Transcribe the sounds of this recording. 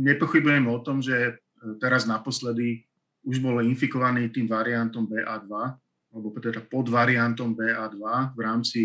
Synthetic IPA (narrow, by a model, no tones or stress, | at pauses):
ɲɛpɔxibujɛmɛɔt̪ɔmʒɛ | t̪ɛɾaznapɔslɛd̪i | uʒbɔlinfikɔʋaniːt̪iːmʋaɾiant̪ɔmbɛːʔaːd̪ʋa | alɛbɔpt̪ɛd̪apɔd̪ʋaɾiant̪ɔmbɛːʔaːd̪ʋavɾaːmt͡si